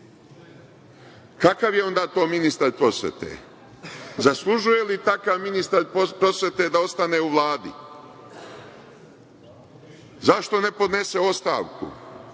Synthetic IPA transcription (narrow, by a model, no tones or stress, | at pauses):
kakaʋjeo̞nd̪aːt̪o̞ːminist̪aɾpɾo̞sʋjḛt̪ḛː | zaslˠuʒuje̞lit̪akaʋminist̪aɾpɾo̞sʋje̞t̪ed̪ao̞st̪aneːuʋlˠaːd̪ḭ | zaʃt̪o̞ne̞po̞d̪ne̞seo̞st̪a̰ːʋkṵ